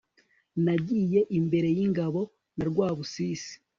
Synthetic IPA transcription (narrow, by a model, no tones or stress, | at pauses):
naɟiːje̞ʔimbe̞ɾe̞jiŋɡaβo̞ | naɾɡwaːβusiːsi̥